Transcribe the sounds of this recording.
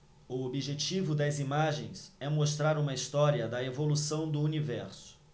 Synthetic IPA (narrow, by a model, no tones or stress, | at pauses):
ʊobiʒet͡ʃivʊd̪ɐzimaʒẽj̃sɛmost̪ɾaɾũmɐist̪ɔɾiɐd̪ɐevolusɐ̃w̃d̪ʊunivɛɾsʊ̥